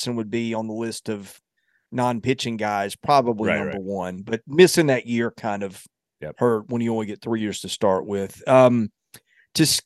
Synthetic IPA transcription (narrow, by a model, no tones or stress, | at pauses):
sɨ̃nwəd̚biə̃nðəlɪstʌv | nɑ̃npʰɪt͡ʃɪ̃ŋɡaɪz̥pʰɹ̥ɑbəblinʌ̃bə˞wʌ̃nbʌt̚mɪsɪ̃ŋðɨʔjɪɹkʰãɪ̃ndʌv̥ | hə˞t̚wə̃njɨõʊ̃liɡɛt̪̚θɹijɪɹz̥tʰɨstɑɹʔwɪð̥ʌ̃m̥ʰ | ɨs